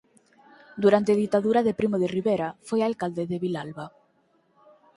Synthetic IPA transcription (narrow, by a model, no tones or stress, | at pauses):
d̪uɾant̪eð̞it̪aðuɾaðepɾimoðeriβeɾafojaːlkald̪eðeβilalβa